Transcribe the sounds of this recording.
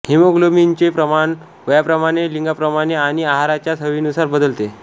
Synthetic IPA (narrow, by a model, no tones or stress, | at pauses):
himoɡlomint͡ɕepɾəmaɳ | ʋəjapɾəmaɽ̃eliŋɡapɾəmaɽ̃eaɽ̃iaɦaɾat͡ɕjasəʋiːnusaɾbəd̪əlt̪e